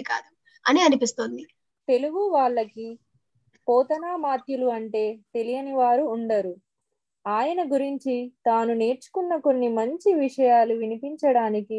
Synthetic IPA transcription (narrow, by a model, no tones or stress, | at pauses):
ka̰ːd̪u | ɐniɐnipist̪ond̪i | t̪e̞luɡuʋaːɭːɐki | pɔːt̪ɐnaːmaːt̪juluɐɳʈe̞ːt̪e̞lijɐniʋaːɾuːɳɖɐɾu | aːjɐnɐɡuɾiɲt͡ʃit̪aːnune̞ːɾt͡ʃu̥kunːɐko̞nːimɐɲt͡ʃiʋiʂɐjaːluʋinipiɲt͡ʃɐɽaːniki